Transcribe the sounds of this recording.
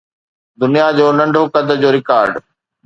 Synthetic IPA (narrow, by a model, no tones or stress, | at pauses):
d̪ʊnijad͡ʑoːnɐ̃ɳɖʱokɐd̪əd͡ʑoːɾɪkaːɾɖ